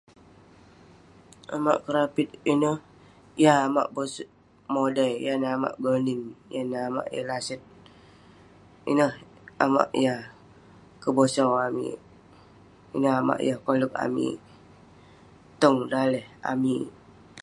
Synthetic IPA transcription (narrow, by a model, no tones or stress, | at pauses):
ama̰ʔkəɾapit̪̚inəh | jaama̰ʔbosʔ | modajjanaama̰ʔɡəninjanaama̰ʔja̰lasət̪̚ | ḭnəh | ama̰ʔja | kəbosawamḭ | ḭnəhama̰ʔjahkolək̚a̰mḭ | t̪əŋdalɛha̰mi